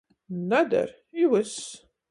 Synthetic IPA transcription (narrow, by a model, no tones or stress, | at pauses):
nad̪ɐ̰ɾ | iwɨs